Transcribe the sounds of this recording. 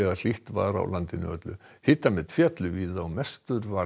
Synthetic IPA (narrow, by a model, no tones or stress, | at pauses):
ɛɣal̥iht̪va̰ɾa̰wlant̪ɪnʏœ̰t̪lʏ | hɪːt̪amɛ̥t̪ʰfjɛt̪lʏviːðawmɛst̪ʏɾva